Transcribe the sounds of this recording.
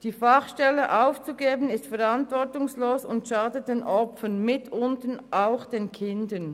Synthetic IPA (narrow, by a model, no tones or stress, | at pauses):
d̥iːfaχʃtɛləʔaʊft͡suɡeːbənɪstfɛʁantvɔʁtʊŋsloːsʊntʃaːdət̚d̥eːnʔɔpp͡fənmɪtʰʊntən̩ʔaʊxd̥eːnkʰɪndən